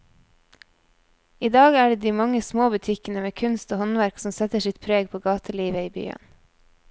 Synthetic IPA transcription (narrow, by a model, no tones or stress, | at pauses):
iːd̪ɑːɡæːɖeːd̪iːmɑŋəsmoːbʉt̪ʰɪkənəmeːkʰʉnst̪oːhɔnʋæɾksɔm̩sɛt̪əʃɪt̪̚pʰɾeːɡpʰoːɡɑːt̪ʰəliːʋəiːby̰ːə̰n